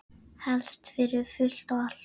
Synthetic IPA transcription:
hɛlst̪fɪɾʏfʏl̥t̪ɔal

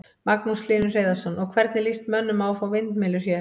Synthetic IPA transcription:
maknuslɪːnʏr̥eːjðasɔnɔɣkʰvɛɾt̪nɪlist̪mœnːʏmaːwfawvɪnt̪mɪːlʏɾ̥çjɛː

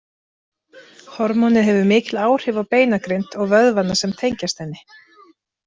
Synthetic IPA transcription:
hɔɾmɔnɪðɦɛvʏmɪːcɪlaːwr̥ɪvawpeːjnakɾejnt̪ɔɣvœðvanːasɛmt̪ʰejɲcast̪hɛnːɪ

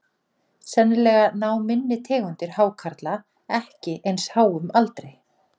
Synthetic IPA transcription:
sɛnːɪlɛːɣanaːwmɪnːɪt̪ʰɛːɣʏnt̪ɪɾ̥haːwkʰaɾt̪la | ɛhcɪʔejnshaːwʏmalt̪ɾej

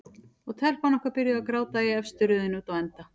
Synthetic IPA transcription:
ɔɣt̪ʰɛl̥kvanɔhkvaɾpɪɾjʏakɾaːwt̪aiɛfst̪ʏɾʏðʏnuːt̪ɔɛnt̪a

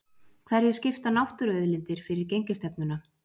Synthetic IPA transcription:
kʰv̥ɛɾjɪscɪft̪anawht̪ʏɾœðlɪnt̪ɪɾ̥fɪɾɪɾcejɲcɪst̪ɛpnʏna

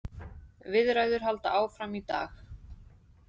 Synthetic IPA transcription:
vɪðɾaːɥðʏɾ̥ɦalt̪aʔaːwfɾamit̪a̰ːx

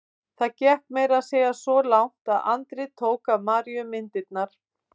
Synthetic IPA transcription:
θaðcɛhkmeːjɾaðseːjɣasɔlawŋ̥t̪aða̰nt̪ɾɪt̪ʰoːwkamaːɾjʏmɪnt̪ɪt̪̚naɾ̥

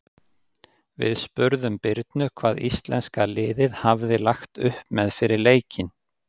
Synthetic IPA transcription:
vɪ̰ðspʏɾðʏmpɪɾt̪nʏkʰvaːðist̪lɛnskalɪːðɪðhavðɪlaxt̪ʏhpmɛðfɪɾɪɾleːjcɪn

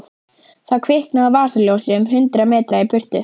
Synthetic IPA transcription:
θawkʰvɪhknaðavaːsɪljowsliʏmɦʏnt̪ɾamɛːt̪ɾaipʏr̥t̪ʏ

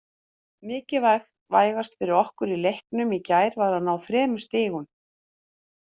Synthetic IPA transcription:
mɪːcɪvajx | va̰ːjɣast̪fɪɾɪɾɔhkʏɾilejhknʏmicaːjɾvaɾ̥hanːawfɾɛːmʏst̪ɪːɣʏn

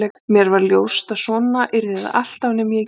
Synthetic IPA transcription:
ɛmjɛɾvaɾljowst̪asɔːnaʔɪɾðɪða̰ʔal̥t̪awnɛmjɛ

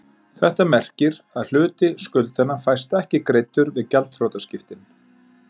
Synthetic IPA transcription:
θɛht̪amɛr̥cɪɾaðl̥ʏːt̪ɪskʏlt̪anafajst̪ɛhcɪkɾejt̪ʏɾvɪðcalt̪frowt̪ascɪft̪ɪn

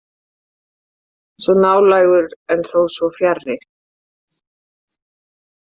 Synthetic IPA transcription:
svɔnaːwlaːjɣʏɾɛnθowsvɔfjarːɪ

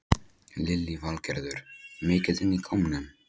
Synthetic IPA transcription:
lɪlːivalcɛɾðʏɾ̥mɪːcɪðɪnːikʰɔwmnʏm

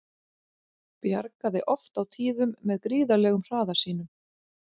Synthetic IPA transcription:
pja̰ɾkaðɪʔɔft̪awt̪ʰiːðʏmːɛðkɾiːðalɛːɣʏmr̥aːðasiːn̪ʏm

